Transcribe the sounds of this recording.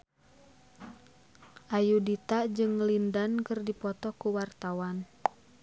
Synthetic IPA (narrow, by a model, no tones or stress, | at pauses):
ʔajudit̪ad͡ʒɨŋlindankɨrdipɔt̪ɔkuwart̪awan